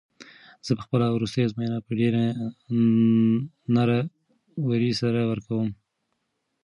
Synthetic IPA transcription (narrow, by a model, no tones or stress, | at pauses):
z̥əpə̥xpəlawɾust̪əjazmajnapəɖeɾa | naɾa | waɾisaɾawəɾkawəm